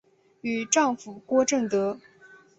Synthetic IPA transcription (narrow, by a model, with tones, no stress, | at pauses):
y˨˩ʈ͡ʂɑ˥˩ŋfu˨˩kwɔ˥ʈ͡ʂə˥˩ŋt̪ɤ˧˥